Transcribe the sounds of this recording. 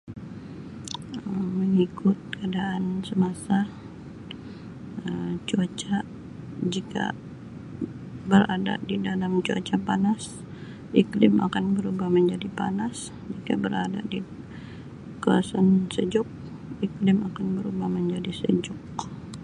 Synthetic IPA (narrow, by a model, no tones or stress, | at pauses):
əːəŋikʰʊt̪̚kadaʔːnsəmasa | əmt͡ʃuat͡ʃa | d͡ʒika̰ | bəɾada̰didalamt͡ʃua̰t͡ʃapanas | ʔiklɪma̰kanbəɾubahməɲd͡ʒadipa̰nas | d͡ʒika̰bəɾada̰di | kawasansəd͡ʒʊk̚ | iklɪmakanbəɾubahməɲd͡ʒadisə̰d͡ʒʊk̚